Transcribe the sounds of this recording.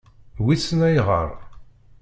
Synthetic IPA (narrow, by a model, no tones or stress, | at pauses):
wisənæjʁə̰ɾˤ